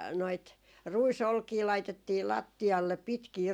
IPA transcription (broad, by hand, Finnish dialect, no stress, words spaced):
noit ruisolkiː lɑitetːiː lɑtːiɑlːep pitkiː